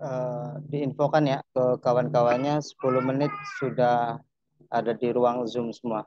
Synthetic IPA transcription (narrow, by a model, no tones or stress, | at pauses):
ədiːnfokanjakəkawankawanɲasə̥pulʊhmənɪt̪̚sudah | adadiɾuaŋzʊmsəmua